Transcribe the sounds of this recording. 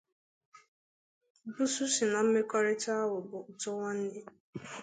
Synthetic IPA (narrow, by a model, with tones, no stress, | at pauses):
bu˦su˦si˨na˨m̩˦me˦kɔ˦ɾɪ˦ta˦a˦wʊ˨bʊ˨ʊ˨tʊ˦ŋa˦n̩˦nɪ˦